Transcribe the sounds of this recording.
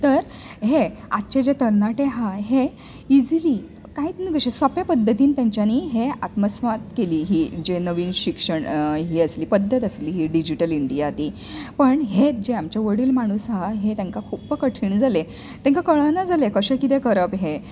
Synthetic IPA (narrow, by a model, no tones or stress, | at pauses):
t̪əɾɦeat̪ːt͡ɕed͡ʑet̪əɾnaʈeɦaɦe | id͡zliː | kaiːt̪nuɡəɕesapjapəd̪ʱːət̪iːnt̪jãɲt͡ɕjaniːɦeat̪məsʋat̪keliːɦiːd͡ʑenəʋiːnɕikʂəɳɦiːəsliːpəd̪ʱːət̪əsliːɦiːɖid͡ʑiʈəliɳɖijat̪iː | pəɳɦet̪̚d͡ʑeamt͡ɕjaʋəɽiːlmaɽ̃uːsɦaɦet̪ãŋkakʰuːpːəkəʈʰiːɳd͡zʱale | t̪ɛ̃ŋkakəɭənad͡zalekəɕəkit̪ẽkəɾəpɦe